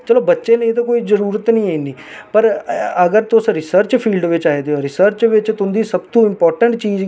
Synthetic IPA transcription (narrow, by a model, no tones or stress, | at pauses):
t͡ʃəloːbətːʃẽːnəĩt̪̬oːkoːiːzəɾuːɾət̪nĩːaĩniː | pəɾəɡəɾt̪ʊsɾɪsəɾt͡ʃpʰiːlɖʋɪt͡ʃaːed̪eoːɾɪsəɾt͡ʃʋɪt͡ʃt̪ʊnd̪iːsəbt̪ũːɪmpɔːɾʈəɳʈt͡ʃiːd͡ʒ